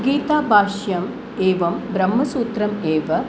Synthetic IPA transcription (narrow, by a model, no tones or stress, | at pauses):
ɡiːt̪aːbʱaːʂjɐm | eːʋɐmbɾɐmːɐsuːt̪ɾɐmeːʋɐ